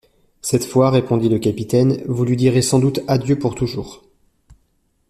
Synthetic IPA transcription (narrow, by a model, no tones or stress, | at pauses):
sɛt̪fwaʁepɔ̃d̪iləkapit̪ɛnvulɥid̪iʁesɑ̃d̪ut̪ad̪jøpuʁt̪uʒṵːʁ